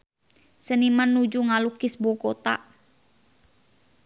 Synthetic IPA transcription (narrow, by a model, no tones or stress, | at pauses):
sənimanːud͡ʒuŋalukɪsbɔkɔt̪a̰